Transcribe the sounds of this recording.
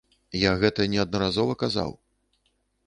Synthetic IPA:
jaɣɛt̪ɐnʲɛɐd̪̚nɐɾazɔvɐkaza̰w

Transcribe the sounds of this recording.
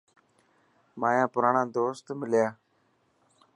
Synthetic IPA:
maːjãːpʊɾaːɳãːd̪oːst̪mɪljaː

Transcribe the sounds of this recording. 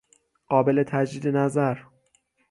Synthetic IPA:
ɢ̥ɒːbe̞le̞t̪ʰæd͡ʒd̪iːd̪e̞næzæɾ

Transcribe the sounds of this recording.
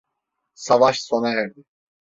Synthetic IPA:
savaʃsonaɦɛɾd̪ɪ

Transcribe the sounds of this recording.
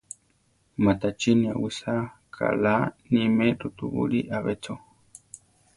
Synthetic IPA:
mat̪at͡ʃinĩa̰wisakʰa̰lanimẽɾut̪uβṵɾiʔaβet͡so

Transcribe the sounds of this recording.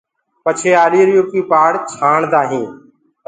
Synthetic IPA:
pət͡ʃʰeːaːliːɾjoːkiːpaːɽt͡ʃʰaːɳd̪aːɦĩː

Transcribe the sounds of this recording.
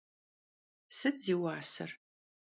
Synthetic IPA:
sɨdziːwaːsɐ̰r

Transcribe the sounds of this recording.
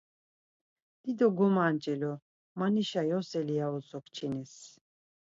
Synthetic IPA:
d̪̥id̪ɔɡɔmant͡ʃʼɛlɔ | maniʃajɔsɛlijaɔt͡sʰʼɔkʰt͡ʃʰinis

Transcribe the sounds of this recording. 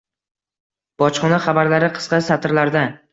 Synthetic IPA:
b̥ɒt͡ʃχɒnaχabaɾlaɾɪqʰɨ̥sqɑsat̪ʰɾlaɾd̪a

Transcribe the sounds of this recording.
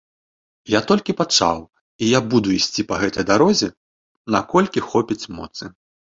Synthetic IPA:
jat̪ɔlʲkʲipat͡ʂa̰w | ijabud̪uisʲt͡sʲipɐɣɛt̪ɐjd̪aɾɔzʲɛ | na̰kɔlʲkʲixɔpʲit͡sʲmɔ̰t̪sɨ

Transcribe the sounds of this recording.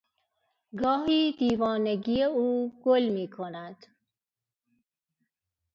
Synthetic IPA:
ɡɔːɦiːd̪̥iːvɔːneɡijeuːɡ̥olmiːkʰonæd̪̥

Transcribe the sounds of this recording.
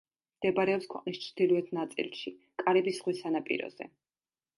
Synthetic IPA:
md̪̥ɛbaɾɛɔpskʰwɛqʼnist͡ʃʰɾd̪̥ilˠuɛt̪ʰnat̪sʼḭlˠʃi | kʼaɾɛbisʁwisanapʼḭɾɔ̰z̥ɛ̰

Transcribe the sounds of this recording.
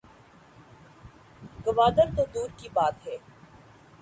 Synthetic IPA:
ɡɐʋaːd̪əɾt̪od̪uːɾkibaːt̪ɦɛː

